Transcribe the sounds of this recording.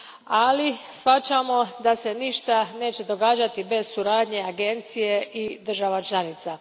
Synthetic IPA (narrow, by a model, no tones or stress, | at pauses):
alisfat͡ʃamo̞d̪ase̞niʃt̪ane̞ːt͡ɕe̞d̪o̞ɡaːd͡ʒat̪ibe̞z̥suɾaːd̪ɲe̞aɡe̞nt̪sije̞ʔid̪ər̩ʒaʋat͡ʃlˠanit̪sa